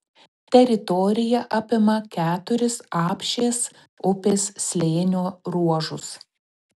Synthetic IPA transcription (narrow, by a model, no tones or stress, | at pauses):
t̪ʲɛɾʲɪt̪ɔɾʲɪjɛʔɑpʲɪmɐkʲæːt̪ʊɾʲɪsɑːpʲʃʲeːs | ʊpʲeːssʲlʲeːnʲoːɾuɔʒʊs